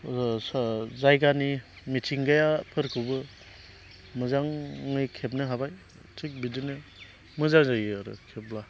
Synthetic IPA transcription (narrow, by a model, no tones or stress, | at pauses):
szajɡani | mitʰiŋɡajapʰɯɾkʰɯbɯ | mɯzaŋːɯjkʰep̬̚nɯɦabaj | tʰik̚bidɯnɯ | mɯzaŋzajaɾɯ̰kʰep̚la